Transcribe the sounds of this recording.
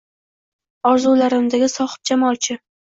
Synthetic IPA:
ɒɾzulaɾɪmd̪aɡʲɪsɒχɪ̥p̚d͡ʒamɒlˠt͡ʃʰɪ

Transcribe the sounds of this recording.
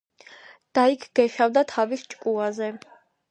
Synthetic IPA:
d̪̥aikʰɡɛʃavd̪at̪ʰavist͡ʃʼkʼuazɛ

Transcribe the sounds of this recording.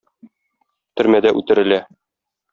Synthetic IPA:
t̪ɵ̆ɾmæd̪æʔʉt̪ɘ̆ɾɘ̆læ

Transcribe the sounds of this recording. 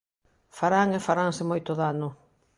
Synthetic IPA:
faɾaŋefaɾaŋsɪmojt̪ʊðanʊ

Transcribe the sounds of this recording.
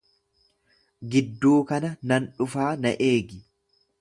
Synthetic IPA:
ɡɪd̪ːuːkɐnɐnɐnᶑʊfaːnɐ̰ʔeːɡɪ

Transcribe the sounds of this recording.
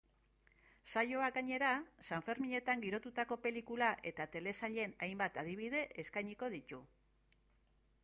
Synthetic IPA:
sajo̞aaɲe̞ɾasaɱfe̞ɾmiɲe̞t̪aŋɡiɾo̞t̪ut̪ako̞pe̞likulaʔe̞t̪at̪e̞le̞saʎe̞najmbat̪að̞iβ̞ið̞e̞ʔeskajɲiko̞ðit̪u

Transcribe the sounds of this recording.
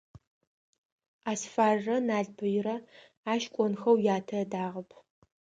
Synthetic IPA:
aːsfaːrɐnaːɮbʰɨjɪɾɐ | aːʃkʷʼɔnxɐwjaːtʰɐdaːʁəpʰ

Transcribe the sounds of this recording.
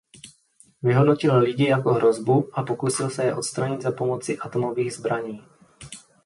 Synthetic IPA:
vɪɦodnocɪllɪɟɪjako̞ɦɾʔo̞zbuʔapokusɪlsɛjɛʔo̞t̪st̪ɾaɲɪd̪zapo̞mo̞t͡sɪʔat̪omo̞viːɣzbɾaɲiː

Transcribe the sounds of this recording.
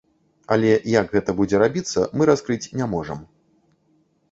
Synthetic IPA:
a̰lʲɛjɐɡɣɛt̪ɐbud͡zʲɛɾabʲit̪sːɐ̰mɨɾaskɾɨt͡sʲnʲamɔʐɐm

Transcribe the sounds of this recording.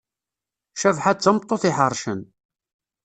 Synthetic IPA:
ʃævħat͡sːəmt̪ˤːoθɪħərˤːʃən

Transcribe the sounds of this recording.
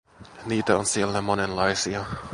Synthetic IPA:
niːt̪æonsielːæmo̞nenlɑjsiɑ

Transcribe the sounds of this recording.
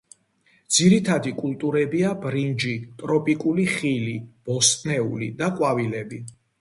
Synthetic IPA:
d̪z̥iɾit̪ʰad̪ikʼult̪ʼuɾɛbiabɾind͡ʒit̪ʼɾɔpʼikʼuliχilib̥ɔst̪ʼnɛṵlḭd̪aqʼwavilɛbi

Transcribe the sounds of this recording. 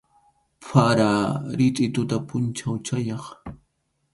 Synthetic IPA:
pʰaɾaɾɪt̪ʼɪt̪ʊt̪apʊnt͡ʃawt͡ʃajɑχ

